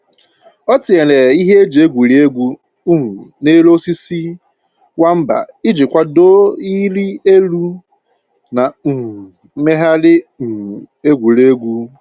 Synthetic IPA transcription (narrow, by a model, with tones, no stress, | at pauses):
ɔ˦tɪ˨e˨le˨i˦ɦe˦e˦d͡ʒe˨e˦ɡʷu˨ɾe˦ɡʷu˦˨ | ne˦lo˦si˦si˦ | wa˦m̩˦ba̰˨ɪ˦d͡ʒɪ˨kʷa˦do˦i˦ɾi˦e˦lu˦ | na˨˦ | me˦ɦa˦lɪ˦˨ | e˦ɡʷu˨ɾe˦ɡʷu˦